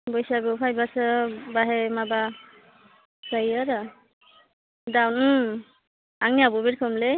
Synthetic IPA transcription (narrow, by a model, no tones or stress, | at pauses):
bɔjsaɡɯpʰajbasɯbaɦɛmaba | sajaɾa | dawn | aŋniabubitkʰɔmle